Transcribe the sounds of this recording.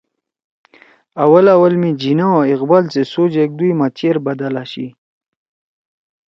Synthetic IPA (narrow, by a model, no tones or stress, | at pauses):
awəlawəlmid͡ʑinaaiqbalt͡sesod͡ʑek̚d̪ujmat͡ɕeɾbad̪alaɕḭ